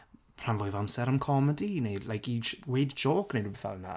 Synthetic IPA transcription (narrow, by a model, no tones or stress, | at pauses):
pʰr̥anvʊɨvamsɛɾamkʰɔmədinejlajkiwejdd͡ʒoːknejdwubɛθa̰lˠna̰